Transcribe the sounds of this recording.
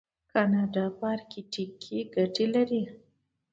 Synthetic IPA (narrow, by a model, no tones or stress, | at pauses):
kanɑɖɑpɑɾkiʈikʰːiɡaʈilaɾi